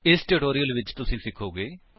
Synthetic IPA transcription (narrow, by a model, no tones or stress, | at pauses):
ɪsʈeʈoːɾijəlʋɪt͡ʃt̪ʊsĩsɪkʰːoːɡɐe